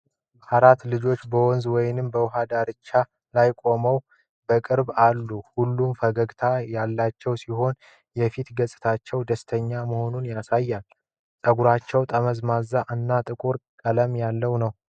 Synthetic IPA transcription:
haɾat̪lɨd͡ʒo̞t͡ʃːbəwɔnzwɔjnɨmbəwʊɦad̪aɾɨt͡ʃːa | lajkʷʼo̞məw | bəkʼɨɾbalːuhulːumfəɡəɡt̪ʰajalːat͡ʃːɛwsiho̞n | jɛfit̪ɡəsʼɨt̪ʰat͡ʃːɛwd̪əst̪ʰəɲːaməho̞nunjasajːal | t̪ʼəɡuɾat͡ʃːɛwt̪ʼəməzmazːaʔɨnːat̪ʼɨkʼuɾkʼələmjalːəwnəw

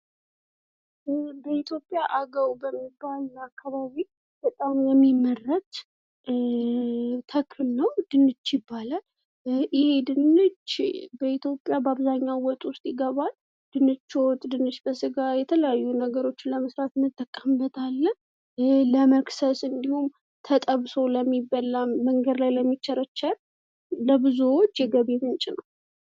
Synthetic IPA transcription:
bəit̪ʰjo̞pʼjaʔaɡəwbəmːibːalakːaβaβi | b̥ət̪ʼamjɛmːiməɾət̪ | t̪ʰəkʰɨlnəwd̪̥ɨnːɨt͡ʃːjɪbːalə | ʔɪhe̞d̪ɨnɨd͡ʒbəit̪ʰjo̞pʼːjabəaβzaɲːawɔt̪ʼwʊst̪ʼjɪɡəβal | d̪̥ɨnːɨt͡ʃːot̪ʼd̪ɨnːɨt͡ʃbəsɨɡajɛt̪ʰələjajːunəɡəɾo̞t͡ʃːɪnləməsɾat̪nɨt̪ʼːəkʼːəmbət̪ʰalːən | ləməksəsɨnd̪ihum | t̪ʰət̪ʼəβso̞ləmːibəlːaməŋɡəd̪lajləmːit͡ʃːɛɾət͡ʃːal | ləbɨzuwot͡ʃːjɛɡəβemɨnt͡ʃʼɪnəw

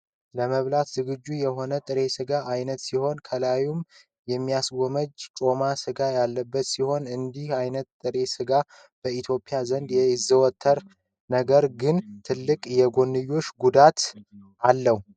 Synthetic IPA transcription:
ləməβlat̪zɨɡɨd͡ʒːujɛɦo̞nət̪ʼɨɾe̞sɨɡaʔajnət̪siho̞nkʰəlajum | jɛmːijasɡo̞məd͡ʒt͡ʃʼo̞masɨɡajalːəbːət̪siho̞nɨnd̪ihajnət̪ːʼɨɾe̞sɨɡa | b̥əit̪ʰjo̞pʼijazənd̪jɛɪzːəwɔt̪ʰːəɾ | nəɡəɾɡɨnt̪ʰɨlːɨkʼjɛɡo̞nːɨjːo̞t͡ʃːɡud̪at̪ | alːəhu

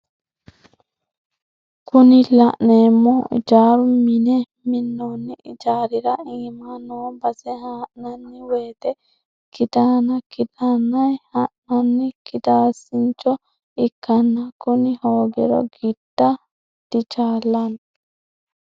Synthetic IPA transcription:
kʊnɪlɐʔneːmːɔɪ̰d͡ʒaːɾʊmɪnɛ | mɪnːoːnːɪʔɪ̰d͡ʒaːɾɪɾɐiːmanobɐsɛhaːʔnɐnːɪweːt̪ɛ | kɪd̪anɐkɪd̪anːɐjhɐʔnɐnːɪkɪd̪aːsɪnt͡ʃːɔ | ɪkːɐnːɐkʊnɪhoːɡɛ̰ɾɔ̰ɡɪd̪̥ːɐ | d̪̥ɪt͡ʃaːlːɐn

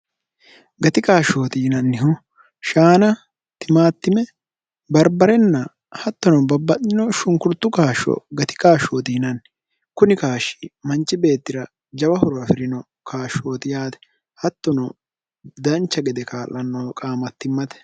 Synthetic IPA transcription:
ɡɐt̪ɪkaːʃoːt̪iːnɐnːɪhɔ | ʃaːnɐ | t̪ɪmaːt̪ːɪmɛ | bɐɾbɐɾɛnːɐ | hɐt̪ːɔnɔbɐbːɐt̪ɪnɔʃʊŋkʊɾt̪ːʊkaːʃɔ̰ɡɐt̪ɪ̥kaːʃoːt̪iːnɐn | kʊnɪkaːʃi̥mɐnt͡ʃːɪbe̞ːt̪ːɪɾɐ | d͡ʒɐbɐhɔɾɔɾɐfɪɾɪnɔ | kaːʃo̞ːt̪ɪjaːt̪ɛ̥ | hɐt̪ːɔnɔ | d̪ɐnt͡ʃːɐɡɛd̪ɛkaːlːɐnːɔkʼaːmɐt̪ːɪmːɐt̪ɛ̥

